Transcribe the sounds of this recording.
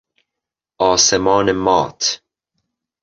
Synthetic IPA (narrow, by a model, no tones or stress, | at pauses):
ɒːsemɒːnemɒːt̪ʰ